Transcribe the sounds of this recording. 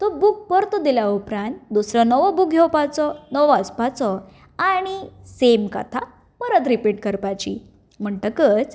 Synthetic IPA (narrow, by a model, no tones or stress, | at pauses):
t̪ɔbuk̚pəɾt̪ɔd̪iljaupɾãnt̪d̪usɾənəʋɔbukɡʱewpat͡sɔnəʋɔəspat͡sɔ | aɽ̃isemka̰t̪ʰa | pəɾət̪̬ɾipiʈkəɾpajt͡ɕi | m̤əɳʈəkət͡s